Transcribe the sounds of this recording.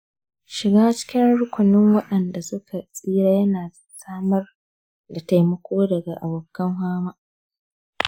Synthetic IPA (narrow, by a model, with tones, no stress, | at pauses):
ʃɪ˨ɡaː˦t͡ʃɪ̥˦kʲɪ˦nɽʊ˦kʷʊ˨nɪ˦ŋwɐ˦ɗɐ˨nda˨sʊ˦kʰa˨sʼiː˦ɾaː˦jɐ˦naː˨ | saː˦mɐ˦r | da˨ta˨jmɐ˦kʷʰoː˦dɐ˨ɡa˨ʔa̰˨boː˨kːɐ˦ŋɦaː˦maː˦